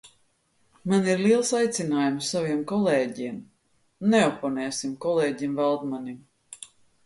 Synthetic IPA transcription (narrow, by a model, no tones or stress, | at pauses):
maniɾliɛlˠsajt̪sinaːjumsaviɛmkɔlˠeːɟim | neɔpɔnɛːsimkɔlˠeːɟimvalˠd̪manim